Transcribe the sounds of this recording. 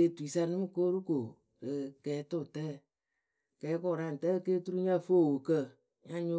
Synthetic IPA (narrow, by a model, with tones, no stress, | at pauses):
e˦˨tu˨i˨sa˧nɨ˦mɨ˦ko˦ɾu˦ko˨ | ə˨kɛː˨˦tʊ˦˨tɛː˦˨ | kɛː˨˦kɔ˦˨ɾa˦˨n˨tɛ˦˧˨keː˦tu˦ɾu˦ɲa˦˨fo˦˨wo˨kə˦˨ | ɲa˦ɲo˦